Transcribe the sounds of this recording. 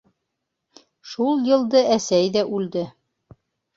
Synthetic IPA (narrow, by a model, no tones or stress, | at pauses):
ʃulˠjɤ̆lˠd̪ɤʔæsæjðæʔʉld̪ɘ